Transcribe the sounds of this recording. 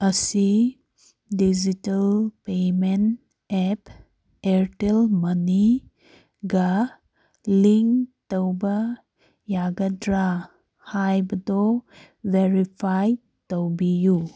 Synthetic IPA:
ɐsi | did͡ʒitɐlpemen | ep | eɾʈelmɐni | ɡa | liŋktəwba | jaɡɐdɾa | hajbd̪ɔ | weɾipʰaj | təwbiju

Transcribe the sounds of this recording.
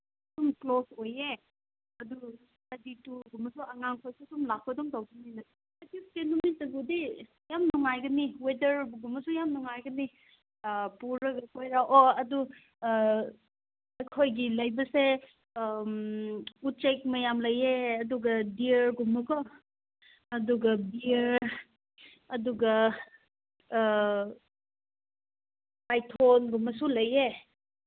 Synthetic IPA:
sumklosoje | ɐdu | ɐdituɡumɐsuɐŋaŋkʰojsusumlakʰɔdɔŋtawɡɐninɐ | tis̚kenumitːɐɡudi | jamnuŋajɡɐniwedɐɾbɡumɐsujamnuŋajɡɐni | puɾɾɐɡɐkʰojɾaʔɔɐdu | ɐjkʰojɡilɐjbɐse | ut̚t͡ʃek̚mɐjamlɐjeɐduɡɐdiəɾɡumːɐkʰɔ | ɐduɡɐbiɾ | ɐduɡɐ | pajtʰonɡumɐsulɐje

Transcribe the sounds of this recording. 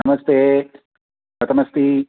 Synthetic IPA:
ɐmɐst̪e | pɐt̪ɐmɐst̪i

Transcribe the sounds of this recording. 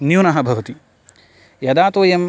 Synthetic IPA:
njunɐɦɐbʱɐʋɐt̪i | jɐd̪aːt̪oːjɐmː

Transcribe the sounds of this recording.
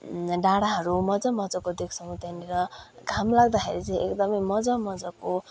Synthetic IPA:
ɖaɽaɦʌɾumʌd͡zʌmʌd͡zʌkod̪ekʰt͡sʰʌw̃t̪aniɾʌ | ɡʱamlaɡd̪axḛɾit͡sʌj̃ekd̪ʌmʌjmʌd͡zʌmʌd͡zʌko

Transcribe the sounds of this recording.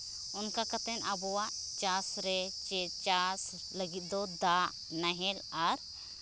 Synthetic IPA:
unkakat̪ɛnabɔwaʔt͡ʃasɾɛt͡ʃɛt͡ʃas | ləɡit̪̚ˀd̪ɔd̪aʔ | naɦɛlaɾ

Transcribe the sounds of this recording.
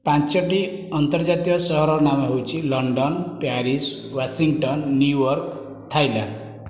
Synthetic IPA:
pãnt͡ʃɔʈi | ɔnt̪ɔɾd͡ʒat̪ijɔsɔɦɔɾɔɾnamɔɦewt͡ʃʰilɔɳɖɔnpaɾis | wasiŋʈɔnːjujɔɾk | t̪ʰajla̰

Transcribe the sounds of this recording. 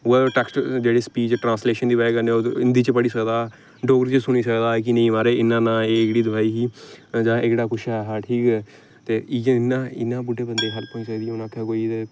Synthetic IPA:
ʈɛksʈd͡ʒeːɽeːspiːt͡ʃʈɾãːnsleːʃənd̪iːbːeːkəneːoɪnd̪iːt͡ʃbəɽiːsəkd̪aː | ɖoːɡəɾt͡ʃəsʊñiːsəkd̪aːk̬ɪnəĩːʋaːɾeːɪnːãːnãːeːɪɡɽiːd̪əʋaːiːɦiːd͡ʒãːʔɪɡɽaːkʊʃɛːɦaːʈʰiːkɛː | t̪eːiɪnːãːɪ̰nːãːbʊɖeːbənd̪eːɦəlpõːĩsəd̪iːõːnãːkʰeːkoːie

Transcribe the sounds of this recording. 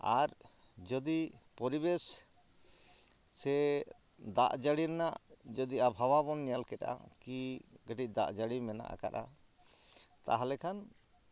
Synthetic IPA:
aɾ | d͡ʒɔd̪ipɔɾibes | sɛ | d̪aʔd͡ʒəɽiɾnaʔd͡ʒɔd̪iabʱawabɔnːɛjalkɛta̰kiɡəʈic̚ˀd̪a̰ʔd͡ʒəɽimɛna̰ʔa̰ka̰ɾʔa | t̪a̰ɦalɛkʰan

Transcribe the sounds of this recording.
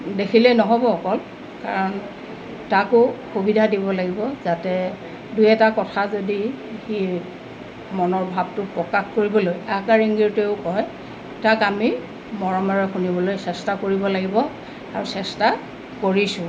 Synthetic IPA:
dekʰilɛnɔɦɔbɔːkɔl | ka̰ɹɔn | takʊxubidʱadibɔlaɡibɔzatɛ | dujɛtakɔtʰazodixi | mɔnɔɹbʱab̚tʊpɹɔkaxkoɹibɔlojakaɹiŋɡiɹteʊkɔj | takami | mɔɹɔmaɹɔxunibɔlojsɛstakoɹibɔlaɡibɔ | a̰ɹusɛsta | koɹisʊ̃

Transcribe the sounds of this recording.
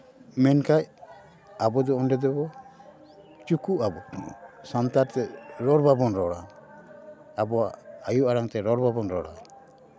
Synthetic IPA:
mɛnkaj | abɔd̪ɔɔnɖɛd̪ɔbɔ | t͡ʃukuʔabɔsant̪aɾt̪ɛɾɔɾbabɔnɾɔɽa | bɔaajuʔaɾaŋt̪ɛɾɔɾbabɔnɾɔɽa̰

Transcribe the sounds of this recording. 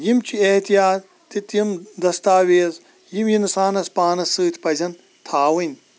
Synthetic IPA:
jimt͡ʃʰieht̪ijaːt̪ːit̪jimd̪ɐst̪aːweːz | jimjinsaːnɐspaːnɐsɨːt̪ʰʲpɐzʲɐn | t̪ʰaːwɨnʲ

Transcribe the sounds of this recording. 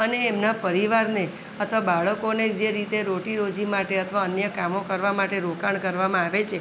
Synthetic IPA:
əneːmnapəɾiʋaɾne | ət̪ʰʋabaɭəkonekd͡ʒeɾit̪eɾoʈiɾod͡ʒimaʈeət̪ʰʋaənjəkamokəɾʋamaʈeɾokaɳkəɾʋamãaʋet͡ʃʰe

